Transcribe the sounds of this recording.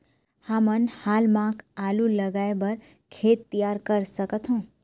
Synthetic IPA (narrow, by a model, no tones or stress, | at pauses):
hamənhaːlmãkʰaluləɡaebəɾ | kʰet̪ːijaɾkəɾsəkət̪ʰɦũ